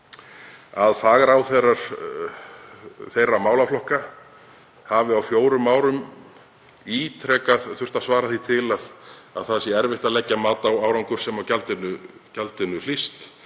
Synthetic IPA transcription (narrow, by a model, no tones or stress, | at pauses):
aðfaːɣaɾawθejraɾ̥ | θejrːamaːwlaflɔhka | havɪawfjoːwɾʏmːaːwɾʏm | iːt̪ʰɾɛːkaðθʏr̥t̪aðsvaːɾaθit̪ʰɪlaða̰ðθaðsjɛɛɾvɪht̪aðlɛcːamaːt̪awaːwɾaŋkʏɾ̥sɛmawcalt̪ɪnʏcalt̪ɪnːʏl̥ist̪